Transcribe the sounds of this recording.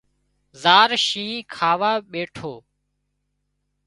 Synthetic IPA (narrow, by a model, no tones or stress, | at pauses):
zaːɾʃĩːkʰaːʋaːɓeːʈʰoː